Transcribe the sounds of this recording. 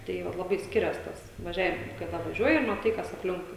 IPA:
ˈtɐɪ ʋɐt lˠɐˈbɐɪ ˈsʲkʲɪrʲɛs ˈtɐs ʋɐˈʒʲæːʋʲɪm kɐˈdɐ ʋɐˈʒʲuɔjɪ ɪ mɐˈtɐɪ ˈkɐs ɐpʲˈlʲɪŋkʊɪ

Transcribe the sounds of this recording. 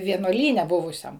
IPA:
ʋʲiɛnuɔˈlʲiːnʲɛ ˈbʊʋʊsʲɛm

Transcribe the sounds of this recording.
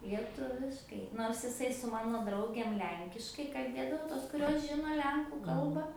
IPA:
lʲiɛˈtʊʋʲɪʃkɐɪ ˈnoːrs ɪˈsɐɪ sʊ ˈmɑːnoː ˈdrɐʊɡʲeːm ˈlʲɛŋʲkʲɪʃkɐɪ kɐlʲˈbʲeːdɐʋoː ˈtoːs kʊˈrʲoːs ˈʒʲɪnoː ˈlʲɛŋkuː ˈkɐlˠbɑː

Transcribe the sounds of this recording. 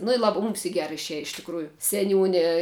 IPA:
nʊ ɪ ˈlˠɑːbɐ muːms ɪ ˈɡʲæːrɐ ɪʃʲˈiɛjɛ ɪʃ tʲɪkˈruːjʊ sʲɛˈnʲuːnʲɪ

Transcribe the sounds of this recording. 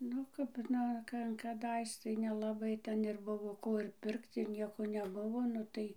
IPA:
ˈnʊ kɐp ˈnʊ ˈkɐ kɐˈdɐɪs tɐɪ nʲɛlˠɐˈbɐɪ ˈtʲɛn ɪr ˈbʊʋoː ˈkoː ɪr ˈpʲɪrkt ɪr ˈnʲiɛkoː nʲɛˈbʊʋoː nʊ ˈtɐɪ

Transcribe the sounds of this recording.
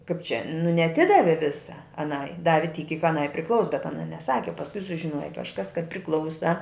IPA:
kɐɪp t͡ʃʲɛ nʊ nʲɛɐˈtʲɪdɐʋʲɪ ˈʋʲɪsɐ ɐˈnɐɪ ˈdɑːʋʲɪ tʲiːk kʲiːk ɐˈnɐɪ pʲrʲɪˈklˠɐʊs bʲɛt ɐˈnɐ nʲɛˈsɑːkʲɪ oː pɐsˈkʊɪ sʊʒʲɪˈnuɔjɛ kɐʃˈkɐs kɐt pʲrʲɪˈklˠɐʊsɐ

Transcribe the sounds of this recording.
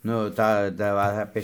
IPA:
ˈnʊ ˈtɑː dɐ ˈʋɐ ɐpʲeː

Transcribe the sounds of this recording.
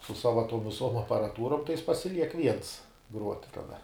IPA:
sʊ ˈsɑːʋɐ tuɔm ʋʲɪˈsuɔm ɐpɐrɐˈtuːroːm tɐɪ jɪs pɐsʲɪˈlʲiɛk ʋʲiɛns ɡruɔtʲ kɐˈdɐ

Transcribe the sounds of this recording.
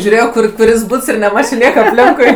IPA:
ʒʲuːˈrʲeːjoː ˈkʊr kʊˈrʲɪs ˈbʊts ɪr nʲɛˈmɑːt͡ʃʲoː ˈnʲiɛkɐ ɐpʲˈlʲɪŋkʊɪ

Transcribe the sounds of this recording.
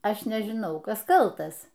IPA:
ˈɐʃ nʲɛʒʲɪˈnɐʊ ˈkɐs kɐlˠˈtɐs

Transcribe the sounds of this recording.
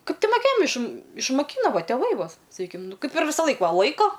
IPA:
ˈkɐɪp ˈtʲɪ moːˈkʲeːjɛm ɪʃ ɪʃmɐˈkʲiːnoː ˈʋɐ tʲeːˈʋɐɪ ˈʋoː sɐˈkʲiːkʲɪm ˈnʊ ˈkɐɪp ɪr ʋʲɪsɐˈlˠɐɪk ˈʋɐ ˈlˠɐɪkoː

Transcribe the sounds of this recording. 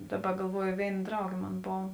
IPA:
ˈdɑːˌbɐ ɡɐlˠˈʋuɔjoː ˈʋʲeːɪn ˈdrɐʊɡʲeː ˈmoːn ˈboːw

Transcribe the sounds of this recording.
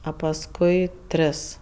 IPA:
ɐ pɐsˈkʊɪ ˈtʲrʲɪs

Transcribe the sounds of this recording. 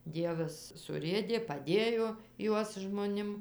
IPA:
ˈdʲiɛʋɐs sʊˈrʲeːdʲeː pɐˈdʲeːjoː ˈjuɔs ʒmoːˈnʲɪm

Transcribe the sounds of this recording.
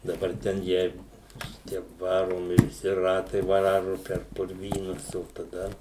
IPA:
dɐˈbɐr ˈtʲɛn ˈjɛɪɡʊ ˈʃʲɪtʲiɛ ˈʋɑːroːmʲɪ ʋʲɪˈsʲɪ ˈrɑːtɐɪ ˈʋɑːrʊ pʲɛr pʊrʲˈʋʲiːnʊs oː tɐˈdɐ

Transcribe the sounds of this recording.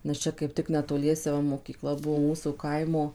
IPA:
nʲɛs ˈt͡ʃʲɛ kɐɪp ˈtʲɪk nʲɛtoːˈlʲiɛsʲɛ ˈʋɐ moːkʲiːˈklˠɐ ˈbuɔ ˈmuːsuː ˈkɐɪmoː

